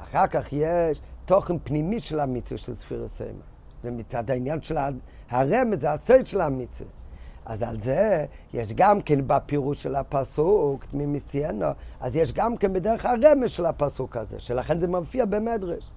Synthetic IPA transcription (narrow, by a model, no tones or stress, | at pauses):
a̰χaʁkaχjɛʃtɔχn̩pnimiʃɪlˠamɪt͡svəʃɪlˠsfḭɾə̰so̰ɪma̰ | dɪmɪt͡sadaɪnjanʃɪla | haʁɛməsasoɪdʃɪlˠamɪt͡svə̰a̰za̰lzɛjɛʃɡamkeɪnbapiʁuʃʃɪlˠhapasuktmɪmɪsiɛnəazjɛʃɡamkeɪnbɪdɛɾəχaʁɛməʃɪlˠhapasukazḛːʃɛlaχɛnzemamfiːɐbɪmɛdʁəʃ